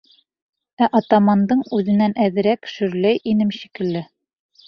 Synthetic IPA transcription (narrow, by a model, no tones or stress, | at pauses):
æʔɑt̪ɑmɑnd̪ɤɴʉðɘ̆nænʔæðɘ̆ɾækʃɵ̆ɾlæjʔinɘmɕikɘ̆lːɘ